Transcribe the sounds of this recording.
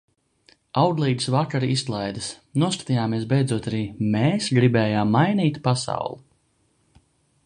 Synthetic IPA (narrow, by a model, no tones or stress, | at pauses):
awd̪lˠiːd̪ɨ̥svakaɾist̪lˠajd̪ɨs | nuɔskḁt̪ijaːmiɛsbɛjd̪zuɔt̪aɾiːmɛːsɡɾibɛːjaːmːajniːt̪pasa̰wlˠu